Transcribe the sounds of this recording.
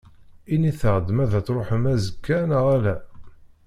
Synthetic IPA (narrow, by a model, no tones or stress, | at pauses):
iniθəʁd̪əmæðæt͡sɾˤoħəmæzəkʰːænəʁælæ